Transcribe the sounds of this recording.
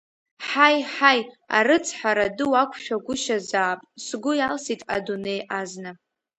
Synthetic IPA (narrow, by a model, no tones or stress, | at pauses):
ħajħaj | a̰ɾɨt͡sʰħaɾadɨwakʷʰʼʃᶣaɡʷʊʃazaːpʼsɡʷʊjalsitʼa̰dune̞jʔaznɨ